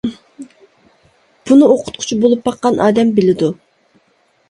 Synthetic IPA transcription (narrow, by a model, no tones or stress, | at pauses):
b̥unɨoqʰʊ̥t̪̚qʰʊ̥t͡ʃʰibolˠupbɑqːɑnʔɑːd̪ɛmbɪlɪd̪u